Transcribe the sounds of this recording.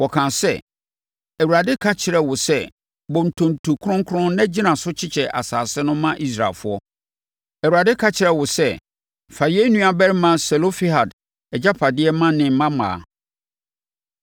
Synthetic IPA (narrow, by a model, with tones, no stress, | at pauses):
wɔ˨kʰãː˨sɛ̰˦˨ | æ˨wu˨ɾa˨dɪ˦kʰa˦t͡ɕʰɪ˨ɾɛ˨wʊ˨sɛ˦ | bɔ̃˨n̩˨tʰõ˨n˨tʰu˨kʰʊ˦ɾʊ̃˦ŋ˦kʰʊ˦ɾʊ̃˦nɛ̃˦d͡ʑi˦nã˨sʊ˦t͡ɕʰɪ˦t͡ɕʰɛ˨ʔa̰˨saː˨sɪ˦nʊ̃˦mã˦ʔi˦s̬ɾa̰˨fʊ˦ɔ˦ | ɛ˨wu˨ɾa˨dɪ˦kʰa˦t͡ɕʰɪ˨ɾɛ˨wʊ˨sɛ˦ | fa˨je˦nũ˦a˨bɛ˦ɾmã˦sɛ˨lo˦fi˦ha˨d | ɛ˨d͡ʑa˦pʰa˨dɪ˦ɛ˦mã˦nɪ̃˨m̩˨˦mã˦mã̰ː˨